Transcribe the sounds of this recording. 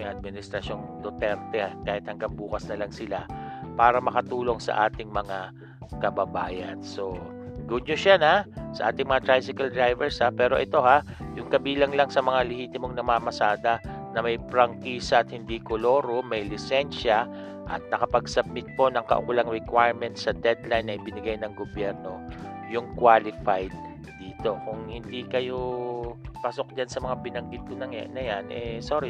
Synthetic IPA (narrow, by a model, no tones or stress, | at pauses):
jʔɐd̪̚mɪnɪst̪ɾɐʃo̞nd̪ot̪ɛnt̪ɛhkaːhɪt̪hɐŋɡɐŋbuːkɐsnɐlɐŋsɪlapaːɾɐmɐkɐt̪uːlo̞ŋsɐ̰ʔaːt̪ɪŋmɐŋa | kɐbɐba̰ːjɐ̰nso̞ | ɡʊd̪ɲoʃanasɐ̰ʔa̰ːt̪ɪŋmɐŋat̪ɾajsɪkɐld̪ɹajvɛɹshapɛːɾo̞ʔɛt̪o̞ha | jʊŋkɐbiːlɐŋlɐŋsɐmɐŋalɪhiːt̪ɪmo̞ŋnɐmaːmɐsaːd̪ɐnɐmɐjpɾɐŋkiːsɐːt̪̚hɪnd̪ikʊlo̞ːɾomɐjlɪsɛnʃɐ | ʔɐ̰t̪̚nɐkɐpɐɡsɐb̚mɪt̪̚po̞nɐŋkɐ̰ʔʊ̰kʊlaŋɾɛkwajɹmɛnt̪̚sɐd̪ɛd̪lajnːɐʔɪbɪnɪɡajnɐŋɡobjɛɾno̞jʊŋkwalɪfajd̪̚ː | iːt̪o̞kʊŋhɪnd̪ikɐjo̞ | paso̞k̚d͡ʒansɐmɐŋabɪnɐŋɡɪd̪̚kʊnɐŋ̰nɐjanʔɛsoːɾɪ